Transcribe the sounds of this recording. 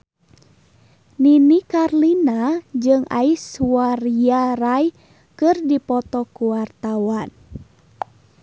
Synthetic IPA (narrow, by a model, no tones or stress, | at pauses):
ninikarlinad͡ʒɨŋa̰iswaɾiaɾaj | kɨrdipɔt̪ɔkuwart̪awan